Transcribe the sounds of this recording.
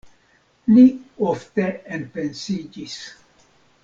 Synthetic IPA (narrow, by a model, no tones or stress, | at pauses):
lioft̪eenpensid͡ʒis